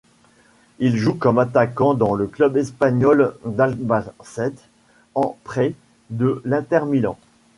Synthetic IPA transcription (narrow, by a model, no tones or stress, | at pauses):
ilʒukɔmat̪akɑ̃d̪ɑ̃ləklœbɛspaɲɔld̪albasɛt̪ | ɑ̃pχɛ | d̪əlɛ̃t̪ɛʁmilɑ̰̃